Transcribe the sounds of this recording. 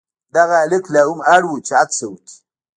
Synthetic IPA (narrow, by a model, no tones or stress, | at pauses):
daɣaleklaumaɾwut͡ʃat͡səwti̥